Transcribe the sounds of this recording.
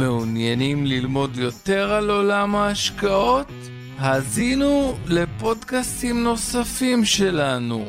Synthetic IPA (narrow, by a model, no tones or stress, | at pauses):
eunjanimlilmodjo̞te̞ʁalo̞lamaːʃkao̞t | haːzinule̞po̞dkastimno̞safimʃe̞lanu